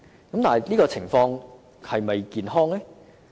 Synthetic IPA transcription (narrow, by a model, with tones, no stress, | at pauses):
kɐ˨˥mt̪aː˨˩ɦɐ˨˩jliː˥kɔː˧t͡sʰɪ˨˩ŋfɔː˧ŋ | hɐ˨jmɐ˨jkiː˨nɦɔː˥ŋlɛ˥